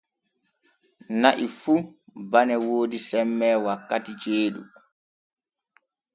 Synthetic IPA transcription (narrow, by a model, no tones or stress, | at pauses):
naʔifubanɛwoːdisɛmːɛːwakːatit͡ʃeːɗṵ